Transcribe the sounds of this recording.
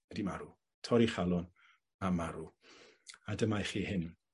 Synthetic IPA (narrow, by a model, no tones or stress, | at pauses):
ɛdimaɾu | tʰɔɾiχalˠɔn | amaɾu | adəmajχiːhɪn